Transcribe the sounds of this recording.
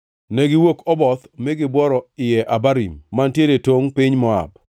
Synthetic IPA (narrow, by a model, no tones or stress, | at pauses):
nɛɡɪwokɔbɔt̪mɪɡɪbwɔɾɔɪjɛʔabaɾimːantjedetoŋpɪɲmɔa̰b̚